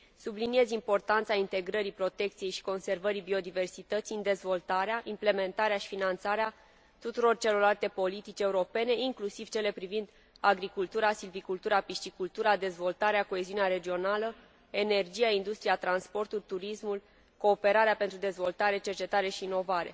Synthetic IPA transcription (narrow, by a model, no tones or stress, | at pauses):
sublinie̞zimpo̞rt̪ant̪saint̪e̞ɡɾəɾipɾo̞t̪e̞k̚t̪sije̞jʃi̥ko̞nse̞rvəɾibio̞d̪ive̞rsit̪ət̪sind̪e̞zvo̞lt̪aɾeaʔimple̞me̞nt̪aɾeaʃi̥finant̪saɾea | t̪ut̪uɾo̞rt͡ʃe̞lo̞rlalt̪e̞po̞lit̪it͡ʃe̞uɾo̞pe̞ne̞iŋklusiv̥t͡ʃe̞le̞pɾivind̪ | aɡɾikult̪uɾasilvikult̪uɾapiʃt̪ikult̪uɾad̪e̞zvo̞lt̪aɾeako̞e̞ziuneaɾe̞d͡ʒio̞nalə | e̞ne̞rd͡ʒijaind̪ust̪ɾijat̪ɾanspo̞rt̪ulʲt̪uɾismul | ko̞ːpe̞ɾaɾeape̞nt̪ɾud̪e̞zvo̞lt̪aɾe̞t͡ʃe̞rt͡ʃe̞t̪aɾe̞ʃiːno̞vaɾe̞̰